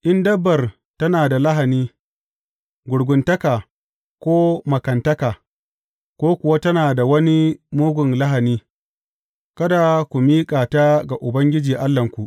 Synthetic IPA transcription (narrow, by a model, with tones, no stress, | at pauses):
ʔɪ˦ndɐ˦bːɐ˨r | tɐ˦naː˨da˨lɐ˦ɦa˨niː˦ | ɡʷʊ˨ɽɡʷʊ˨ntɐ˦kaː˨ | kʷoː˦mɐ˨kɐ˨ntɐ˦kaː˨ | kʷoː˦kʷʊ˨wa˦tɐ˦naː˨da˨wɐ˦ni˦moː˦ɡʷʊ˨nlɐ˦ɦa˨niː˦ | kɐ˦da˨kʷu˨miː˦kʼaː˨ta˦ɡa˨ʔʊ˨bɐ˦ŋɡʲɪ˦d͡ʒiː˨ʔa˦lːɐ˨ŋkʷu˨ʔ